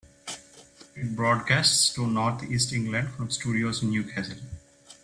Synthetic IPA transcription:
ɪʈ̚bɾɔːɖkæːsʈsʈunɔːɾt̪ʰiːsʈɪ̃ŋɡlə̃ɳɖfɾɔ̃msʈuːɖioːznːjuːkʰæsə̃l

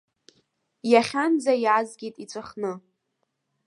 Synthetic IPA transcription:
jaχʲand͡zajazɡʲejtʼit͡sʷʰaχnɨ

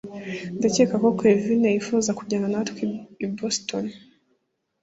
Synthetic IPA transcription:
ndecekakokevinejifuzakuɟananatkwiiboston

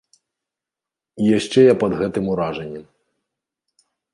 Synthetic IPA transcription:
ijaʂt͡ʂɛjapɐd̪ɣɛt̪ɨmuɾaʐɛnʲːɛm

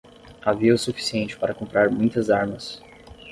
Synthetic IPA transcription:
aviɐʊsufi̥siẽnt͡ʃɪ̥paɾɐkõmpɾaɾmũj̃t̪ɐzaɾmɐs

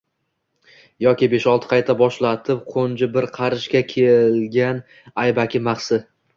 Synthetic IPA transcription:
jɒkʲɪbe̞ʃɒlˠt̪ʰɪ̥qʰɑjt̪ʰabɒʃlat̪ʰɪp̚qʰond͡ʒɪbɪɾqʰɑɾɪʃkʲakʲʰelɡʲan | ajbakʲʰɪmaχsɪ

